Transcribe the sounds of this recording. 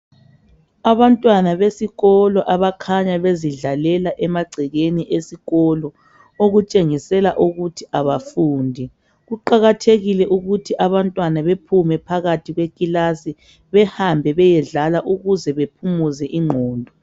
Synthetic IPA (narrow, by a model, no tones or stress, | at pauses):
aβantʼwanaβesiɣɔlɔʔaβakʰaɲaβeziɮalɛlaʔɛmaɡ͡ǀʱɛɣeniʔesiɣɔlɔ | oɣut͡ʃʼeŋisɛlaʔuɣutʰiʔaβafuːndʱi | ɣuǃaɣatʰeɣilɛʔuɣutʰiʔaβantʼwanaβepʰumɛpʰaɣatʰiɣwekʼilasi | βɛhambʱɛβɛjɛɮalaʔuɣuzɛβepʰumuzɛʔiŋ͡ǃʱɔːndʱɔ